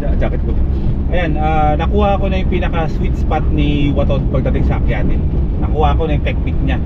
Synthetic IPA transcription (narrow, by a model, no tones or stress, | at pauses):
ad͡ʒakɪt̪̚kod̪ | ʔɐjanaːnɐkuːhɐʔɐko̞nɐjʊŋpiːnɐkɐswit̪spat̪̚niwɐt̪onpɐɡ̚d̪ɐt̪ɛɡsɐʔɐkɪjaːt̪ɪn | nɐkuhɐɐko̞nɐjʊŋt̪ɛk̚nɪk̚ɲa